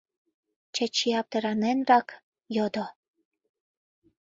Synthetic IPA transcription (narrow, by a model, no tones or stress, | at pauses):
t͡ɕə̆t͡ɕiɑp̚t̪ĕɾɑnenrɑk | jod̪o